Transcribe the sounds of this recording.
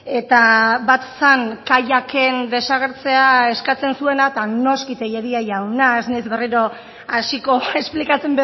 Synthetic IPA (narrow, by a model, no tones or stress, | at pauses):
e̞t̪abat̪saŋkaʎakend̪e̞saɣ̞e̞ɾt͡se̞ae̞skat͡se̞nsue̞nat̪ano̞skit̪ejeɾiajawnaeznezbe̞riɾo̞ | asiko̞e̞splikat͡se̞mbe